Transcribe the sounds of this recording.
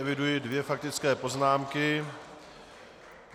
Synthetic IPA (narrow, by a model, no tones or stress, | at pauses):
ɛvɪdujɪdvjɛfak̚t̪ɪt͡skɛːpo̞znaːmkɪ